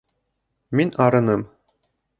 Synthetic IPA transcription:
minɑɾɤ̆nɤm

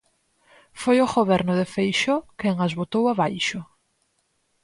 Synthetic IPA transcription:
fojoɣoβɛɾnʊðefejʃɔkeŋazβot̪owaβajʃʊ

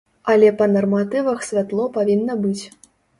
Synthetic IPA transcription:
ɐlʲɛpɐnɐrmat̪ɨvɐxsʲvʲat̪lˠɔpavʲinːɐbɨt͡sʲ

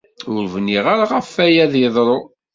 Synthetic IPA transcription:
ʊɾvniʁaɾaʁəfːæjæðəðˤɾˤo

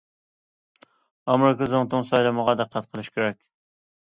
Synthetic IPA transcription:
ɑmɾɪkɑzoŋt̪ʊŋsɑjlˠɑməʁɑd̪ɛqʰːɑt̪̚qʰəlˠɨʃkʲeɾɛkʲ

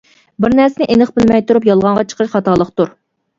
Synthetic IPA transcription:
bɪɾnæɾsɪnɪʔenəχbɪlmɛjt̪uɾupjɑlˠʁɑɴʁɑt͡ʃʰə̥qʰəʃχɑt̪ɑːlˠəχt̪uɾ

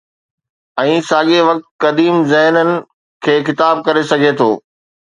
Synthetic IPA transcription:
ɛ̃ːsaːɠeʋɐk̚t̪̚kɐd̪iːmzɛɦnənɪ̆ | kʰeːxɪt̪aːb̚kɐɾesɐɡʱet̪ʰoː

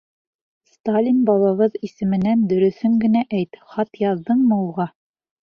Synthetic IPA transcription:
st̪alʲinbɑlˠɑβɤðisɘ̆mɘ̆nænd̪ɵ̆ɾɵ̆θɵŋɡɘ̆næʔæjt̪χɑt̪jɑðd̪ɤɴmɤ̆wʁɑ

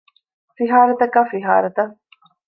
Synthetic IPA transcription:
fiɦaːɾɐt̪ɐkaːfiɦa̰ːɾɐt̪ɐ

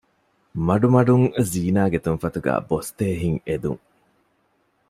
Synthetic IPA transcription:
mɐɖumɐɖuŋziːnaːɡet̪unfɐt̪uɡæ̰ːbost̪eːɦiŋed̪ṵŋ

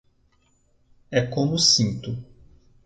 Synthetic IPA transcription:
ɛkõmʊsĩnt̪ʊ

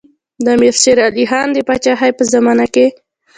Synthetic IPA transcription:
d̪ameɾʃeɾaliɦɑnd̪əpɑt͡ʃaɦajpəzamɑnake

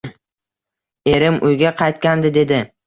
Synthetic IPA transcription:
e̞ɾɪmʊjɡʲaqʰɑjt̪kʲand̪ɪd̪e̞d̪ɪ

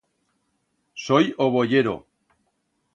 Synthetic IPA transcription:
sojoβ̞oʝeɾo̰

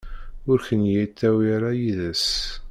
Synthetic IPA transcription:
ʊɾçənjit̪ːæwiɾajiðæs

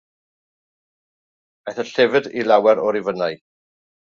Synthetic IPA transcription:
aθəɬɛvɨdilawɛɾɔɾivənaj

